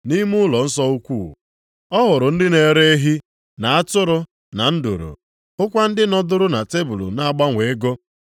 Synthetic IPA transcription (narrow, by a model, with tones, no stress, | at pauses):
ni˦mʊ˦lɔ˨n̩˦sɔ˦u˦kʷṵː˦˨ | ɔ˦ɦʊ˨ɾʊ˨n̩˦dɪ˦ne˨ɾe˦ɦi˦ | na˨a˦tʊ˦ɾʊ˦ | na˨n̩˦dṵ˨ɾṵ˨ | ʊ˦kʷa˦n̩˦dɪ˦nɔ˦dʊ˦ɾʊ˦na˨te˦bu˨lṵ˨na˦a˦˨ɡ͡ba˦ŋʷe˨e˦ɡo˦